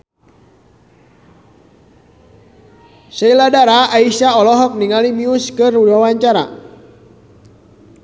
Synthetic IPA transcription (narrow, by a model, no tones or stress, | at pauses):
sɛiladaɾaːisaɔlɔɦɔk̚niŋalimiuskɨrudawaɲt͡ʃaɾa̰